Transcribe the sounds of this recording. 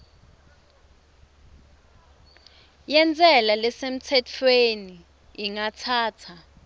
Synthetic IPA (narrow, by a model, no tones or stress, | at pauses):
jɛnt͡sʼɛlalɛsem̩tʰɛtʰweniː | ŋatʰaːt͡sʰa